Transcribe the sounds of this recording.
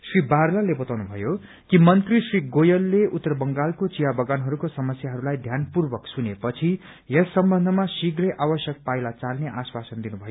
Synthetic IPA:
sribarlalebʌt̪awnubʱʌjo | kimʌnt̪risriɡojʌlːeut̪ːʌɾʌbʌŋɡalkot͡sijabʱʌɡanɦʌɾukosʌmʌsjaɦʌɾulajd̪ʱjanpurbʌksunepʌt͡sʰi | jʌsʌmbʌnd̪ʱʌmasiɡrʌjʔabʌsjʌk̚pajlat͡salneʔaswasʌnd̪inubʱʌjo

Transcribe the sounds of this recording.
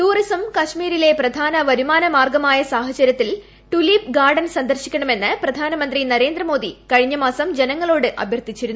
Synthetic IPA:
ʈuːrisɐmkɐɕmiːɾile̞prɐd̪ʱaːnɐʋɐɾumaːnɐmaːrɡɐmaːjɐsaːɦɐt͡ɕɐɾjɐt̪ːil | ʈulip̚ɡaːrɖɐnsɐnd̪ɐrɕikʲːɐɳɐme̞nːɨprɐd̪ʱaːnɐmɐnd̪rinɐɾe̞ːnd̪rɐmo̞ːd̪ikɐɻiɲːɐmaːsɐmd͡ʑe̞nɐŋːɐɭo̞ːɽɨʔɐ̰bʱjɐrt̪it͡ɕːiɾunːu

